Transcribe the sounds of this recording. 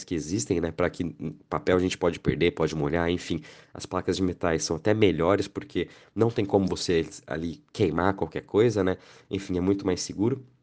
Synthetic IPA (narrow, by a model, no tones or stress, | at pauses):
skɪezist̪ẽj̃nɛpɾɐkʰɪ̃papɛwaɐʒẽnt͡ʃɪ̥pɔd͡ʒɪpḛɾd̪epɔd͡ʒɪmoʎaẽfĩɐ̰splakɐzd͡ʒɪmet̪ajsɐ̃w̃at̪ɛmeʎɔɾɪspoɾkʰe | nɐ̃w̃t̪ẽj̃kõmʊvosea̰likʰejmakwawkɛɾkʰojzɐnɛẽfĩɛmũj̃t̪ʊmajsːɪɡuɾʊ